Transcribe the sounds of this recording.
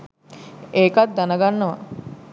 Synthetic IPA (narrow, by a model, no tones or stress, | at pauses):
eːkat̪̚d̪anəɡanːəʋa̰